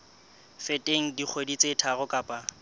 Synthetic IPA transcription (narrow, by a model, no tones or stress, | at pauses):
fɪtʼeŋ̩dik͡xʰwedit͡sʼetʰaɣʊkʼaːpʼa